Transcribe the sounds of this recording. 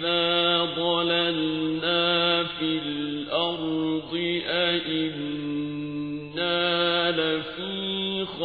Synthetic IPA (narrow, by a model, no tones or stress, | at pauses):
ðaːd̪ˤɑlalnaːfilʔɑɾˤd̪ˤɪʔaʔɪn | aːlafiːx